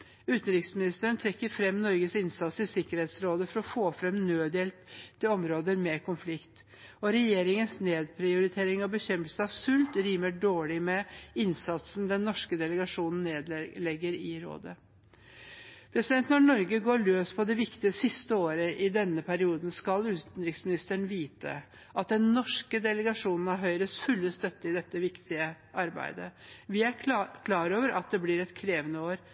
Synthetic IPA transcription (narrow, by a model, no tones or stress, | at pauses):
ʉːt̪n̩ɾɪk̪smɪnɪst̪əəɳnt̪ʰɾɛkːəɾfɾɛmnɔɾɡəsɪnsɑt̪sɪsɪkːəɾheːt̪sɾoːd̪əfɔɾɔfoːfɾɛmnøːd̪jɛlpt̪ʰɪlɔmɾoːd̪əɾmɛkʰʊnflɪkt̪ | ɔɾɛjeːɾɪŋənsneːd̪̚pʰɾɪʊɾɪt̪ʰeːɾɪŋɑbəçɛmpəlsnɑʋsʉlt̪ɾiːməɖoːɭɪmɛɪnsɑt̪snd̪ɛnːɔʂkəd̪ɛləɡɑʂuːnn̩ːeːd̪lɛɡːəɾɪɾo̰ːd̪ə | pʰɾɛsɪd̪ɛnt̪nɔɳɔɾɡəɡoːɭøːspʰɔd̪ɛʋɪkt̪ɪəsɪst̪əoːɾəʔɪd̪ɛnːəpʰæɾɪuːd̪n̩skɑlʉːt̪n̩ɾɪksmɪnɪst̪əɳ̩ʋiːt̪ʰə̰ | ʔɑt̪̚d̪ɛnnɔʂkəd̪ɛləɡɑʂuːnn̩æɾɦœʏɾəsfʉlːəst̪œt̪ːəɪd̪ɛt̪ːəʋɪkt̪ɪə | ʔɑɾbæ̰ɪd̪ə̰ʋɪæɾkʰlɑːɾoːʋəɾʔɑt̪̚d̪ɛblɪɾɛt̪kʰɾeːʋənəoːɾ